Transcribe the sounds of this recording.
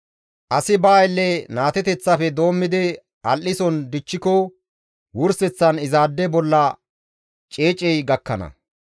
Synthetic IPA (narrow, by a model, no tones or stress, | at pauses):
ʔɐsɪbaːjlːɛnaːt̪ɛt̪ɛt͡sːɐfɛd̪o̞ːmːɪd̪ɛ | ɐlʔːɪsɔnd̪ɪt͡ʃːɪkɔ | wʊɾsɛt͡sːɐnɪzaːd̪ːɛbɔlːɐ | t͡ʃʼeːt͡ʃʼːɛjɡɐkːɐnɐ̰